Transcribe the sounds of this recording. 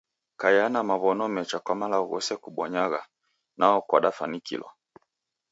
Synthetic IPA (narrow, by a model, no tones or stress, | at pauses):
kajanamaβɔnɔmɛt͡ʃakwamalaɣɔ̰sɛkuɓɔɲaɣa | naɔkwaɗafanikḭlɔ̰